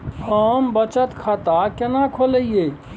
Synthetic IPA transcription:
ɔːmbət͡ʃət̪kʰaːt̪akɐnakʰoləijeː

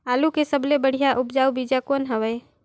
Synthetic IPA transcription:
aːlukesəblebəɽ̤ijaʔʊpd͡ʒaːubid͡ʒakoːnɦəʋəj

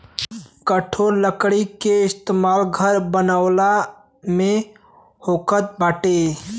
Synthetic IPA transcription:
kəʈʰoːɾləkɽikeɪst̪eːmaːlɡʱəɾbənaʊla | mẽ | hoːkət̪̚baːʈe

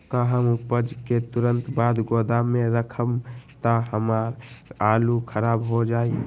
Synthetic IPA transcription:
kaɦəmupəd͡ʒket̪uɾə̃nt̪bad̪ɡod̪amẽɾəkʰəmt̪aɦəmaɾalukʰəɾaːbɦod͡ʒaːi

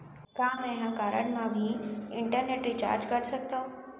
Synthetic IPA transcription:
kãmɛ̃ɦãkaɾə̰ɳmamiːɪɳʈəɾneʈɾiːt͡ɕa̰ɾd͡ʑkəɾsək̚t̪o

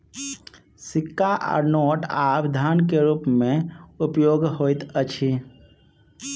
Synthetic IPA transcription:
sikːaʔa̰ɾnoʈapd̪ʱənkeɾupmeupjoɡɦojt̪ət͡ʃʰi

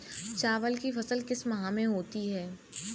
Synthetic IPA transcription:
t͡ʃaːʋəlkifɐsəlkɪsmɐɦãmẽɦoːt̪iɦɛː

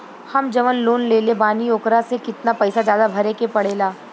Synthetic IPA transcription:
hɐmd͡ʒɐʋənloːnleːlebaːnioːkɾasekɪt̪napɐɪsazjaːd̪abʱɐɾekepɐɽeːlaː

